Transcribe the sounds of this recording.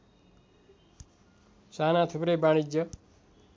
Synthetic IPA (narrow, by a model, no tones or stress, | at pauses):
sanãt̪ʰupɾebaɽ̃id͡ʒə